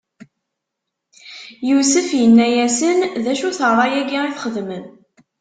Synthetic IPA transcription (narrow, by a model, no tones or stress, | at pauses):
jusəfjənːæjæsənðæʃuθəʁɾˤɑjæɡiʁiθχəðmən